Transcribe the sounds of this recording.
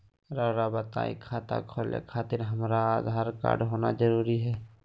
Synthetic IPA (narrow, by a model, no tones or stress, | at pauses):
ɾaɾabət̪a̰ḭkʰaːt̪a̰kʰolḛkʰaːt̪ɪɾɦəmɾaad̪ʱaːɾka̰ːɾɖɦoːna̰d͡ʒəɾuːɾiɦɛː